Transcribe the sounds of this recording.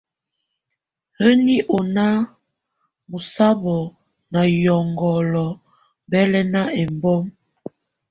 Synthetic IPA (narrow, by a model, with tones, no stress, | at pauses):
hə˦ni˦ʔo˨na˦ | mu˨sa˦bɔ˨ | na˨jɔ˨ŋɡɔ˨lɔ˨ | bɛ˦lɛ˦na˦ɛ˨mbɔ˦m